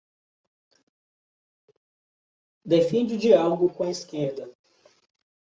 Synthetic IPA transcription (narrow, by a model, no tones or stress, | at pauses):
d̪efẽnd͡ʒɪud͡ʒialoɡʊkõɐiskeɾd̪ɐ